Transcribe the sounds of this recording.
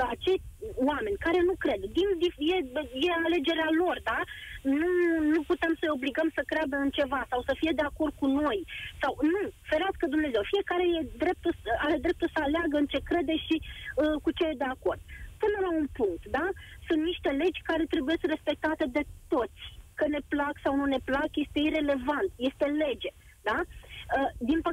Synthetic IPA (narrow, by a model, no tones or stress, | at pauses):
at͡ʃeʃt̪ʲwame̞nʲkaɾe̞nukɾe̞d̪d̪ind̪ije̞je̞ale̞d͡ʒe̞ɾealo̞rd̪anunuput̪e̞msəeo̞bliɡəmsəkɾeabəɨnt͡ʃe̞vasawsəfije̞d̪e̞ako̞rd̪̚kuno̞jsawnufe̞ɾat̪skəd̪umne̞ze̞wfije̞kaɾe̞je̞d̪ɾe̞p̚t̪usaɾe̞d̪ɾe̞p̚t̪ulsəaleaɡəɨnt͡ʃe̞kɾe̞d̪e̞ʃiəkut͡ʃejed̪e̞ako̞rd̪̥̚pɨnəlaunpuŋk̚t̪d̪asunt̪niʃt̪e̞le̞d͡ʒʲkaɾe̞t̪ɾe̞bujestre̞spe̞k̚t̪at̪e̞d̪e̞t̪o̞t̪sʲkəne̞plaksawnune̞plakjest̪eiɾe̞le̞vant̪je̞st̪e̞le̞d͡ʒe̞ | d̪aəd̪inpə